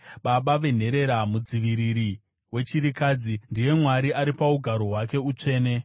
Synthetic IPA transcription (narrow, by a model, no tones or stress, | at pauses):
ɓaɓaʋe̞n̤e̞ɾe̞ɾamud͡ziʋiɾiɾi | we̞t͡ʃiɾikad͡zindije̞mwaɾiaɾipauɡʱaɾoɦwake̞ut͡ʂe̞ːne̞